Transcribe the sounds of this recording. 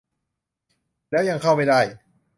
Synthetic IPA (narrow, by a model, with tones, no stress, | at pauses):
lɛː˦˥ja˧ŋkʰa˥˩wma˥˩jda˥˩j